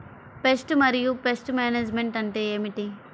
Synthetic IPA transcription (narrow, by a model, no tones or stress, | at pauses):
pesʈmɐɾijupesʈmaːneːd͡ʒmeɳʈɐɳʈe̞ːeːmiʈi